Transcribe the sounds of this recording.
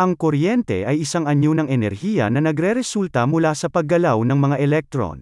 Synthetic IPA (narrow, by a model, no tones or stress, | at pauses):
ʔɐŋkoɾjɛnt̪ɛ̰ʔɐjʔɪsaŋɐɲjonɐŋʔɛnɛɾhiːjɐ̰nɐnɐɡɾɛɾɛsult̪ɐmʊlasɐpɐɡ̚ːɐlawnɐŋmɐŋaʔɛlɛk̚t̪ɾo̰n